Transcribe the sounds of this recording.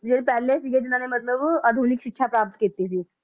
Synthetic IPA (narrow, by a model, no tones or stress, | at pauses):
d͡ʒeɾpɛːlesiɡed͡ʒ̪ɪnãːnemɐt̪ləbad̪ʱuːnɪkʃɪkːʃʰapɾaːp̚t̪kiːt̪isiː